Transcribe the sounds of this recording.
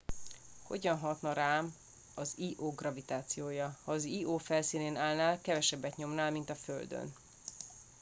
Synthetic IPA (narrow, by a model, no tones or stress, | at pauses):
ho̞̰ɟɒnɦɒt̪nɒɾaːm | ɒziːʔoːɡrɒvit̪aːt̪sijoːjɒhɒːziːʔoːfɛlsiːneːnaːlnaːlkɛvɛʃɛbːɛt̪ɲo̞mnaːlmint̪ɒføld̪ø̰n